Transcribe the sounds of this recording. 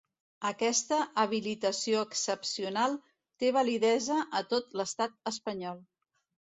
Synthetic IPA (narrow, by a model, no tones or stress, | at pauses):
əkɛst̪əʔəβ̞ilit̪əsioəksəpsiunalˠ | t̪eβəliðɛzəʔət̪ot̪ləst̪at̪̚əspəɲɔlˠ